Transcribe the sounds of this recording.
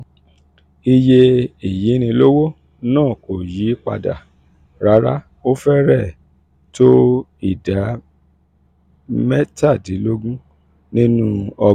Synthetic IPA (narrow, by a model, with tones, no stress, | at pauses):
i˧je˧i˨ji˨˦nĩ˧˦lo˦wo˦ | nãː˦˨ko˨ji˨˦k͡pa̰˧da̰˨ | ɾa˨˦ɾa̰˦ | o˦fɛ˦ɾɛ˦˨ | to˦ | i˦˨da˨˦ | mɛ˦ta˦˨di˨˦lo˦ɡũ˦ | nĩ˦nũ˦ɔ˧